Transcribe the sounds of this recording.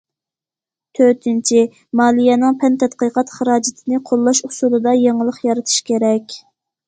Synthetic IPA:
t̪ʰøt̪ʰɪnt͡ʃʰi | mɑːlˠijɛnɨŋpʰɛnt̪ʰɛt̪qəqʰɑt̪χəɾɑːd͡ʒɪt̪ʰɪnɨqʰolˠːɑʃusulˠɨd̪ɑjeŋəlˠəχjɑɾɨt̪ʰɨ̥ʃkʲʰeɾɛkʲ

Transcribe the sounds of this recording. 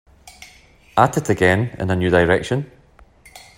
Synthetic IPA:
atɪʔəɡɛ̃nɪ̰̃nənjʉːdaɪɹɛkʃə̃n

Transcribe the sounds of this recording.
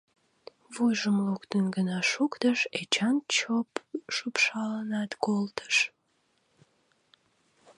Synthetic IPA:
βujʒəmlokt̪ənɡənɑʃukt̪əʃet͡ɕɑnt͡ɕopʃupʃɑlənɑt̪kolt̪ʰə̥ʃ

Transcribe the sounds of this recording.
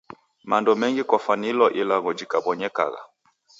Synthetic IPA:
mandɔmɛŋɡikɔfanilɔʔilaɣɔd͡ʒikabɔɲɛka̰ɣa̰

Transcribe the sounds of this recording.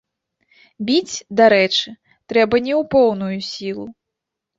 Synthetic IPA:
bʲit͡sʲd̪aɾɛt͡ʂɨ | t̪ɾɛbɐnʲɛwpɔwn̪ujusʲilˠu

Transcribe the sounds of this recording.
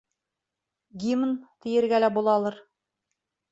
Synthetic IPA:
ɡʲimnt̪ɘ̆jɘ̆ɾɡælæbulˠɑlˠɤɾ

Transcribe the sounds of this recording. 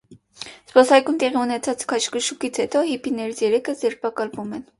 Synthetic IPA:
spɔsɑjkumt̪ɛʁiunɛt͡sʰɑt͡skʰɑt͡ʃkəʃukit͡sʰhɛt̪ɔɦipʰinɛɾit͡sʰjɛɾɛkʰəzɛɾpʰɑkɑlvumɛn

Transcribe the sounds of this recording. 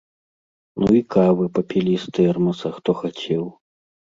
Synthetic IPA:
nuikavɨpɐpʲilʲist̪ɛɛrmɐsɐxt̪ɔxat͡sʲɛw

